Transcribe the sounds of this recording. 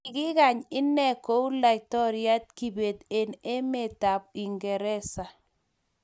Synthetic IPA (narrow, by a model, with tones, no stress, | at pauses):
ɪ˨ɡɪ˦ɡa˨ɲɪ˦nɛ˦ko˦u˦la˨tɔ˦ɾja˦t̚ki˨be˨t̪e˨ne˦me˦˨ta˨bi˨ŋɡɛ˨ɾɛ˦sa˨